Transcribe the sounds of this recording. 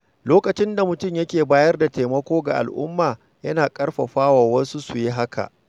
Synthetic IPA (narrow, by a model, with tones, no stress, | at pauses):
loː˦kɐ˨t͡ʃɪ˦nda˨mʊ˨tʊ˦mjɐ˦kʲeː˨baː˦jɐ˦rda˨te˨mɐ˦kʷoː˦ɡa˨ʔa̰˨lʔʊ̰˦mːaː˨ | jɐ˦naː˨kʼɐ˦ɽɸɐ˨ɸaː˦waː˨wɐ˦su˦su˨ji˦ɦa˦kʰa̰˨ʔ